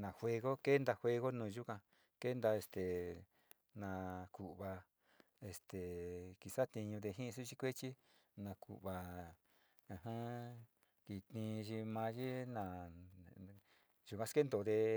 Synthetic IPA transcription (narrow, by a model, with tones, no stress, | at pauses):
nã˨hwe˧ɣo˦ke˦nd̪a˧hʷwʷe˧ɣo˦nũː˧˨ʒu˦kã˧ | ke˦nd̪a˧e˧st̪e˨ | nã˧ku˨ʔβa˧ | e˧˨st̪e˨ki˨sa˦t̪ĩ˧ɲũ˧ðe˧ɦĩ˦˧s̬u˦t͡ʃi˦kʷe˦t͡ʃi˦nã˧kṵ˨ʔβa˧ | ã˧ɦã˦ | ki˨t̪ĩ˧ʒi˧mã˧ʒi˦nã˨ | ʒu˨kʷã˧ske˦nd̪o˨˧ðe˧